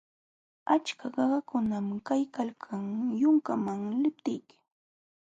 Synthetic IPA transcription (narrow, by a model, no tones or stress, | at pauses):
at͡ʃkaɢɑɢɑkʊnamkajkalkʰaŋjʊŋkamaŋlɪp̚t̪ɪjkɪ̥